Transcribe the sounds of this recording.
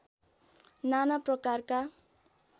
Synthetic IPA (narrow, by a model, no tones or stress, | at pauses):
nanaprʌkarka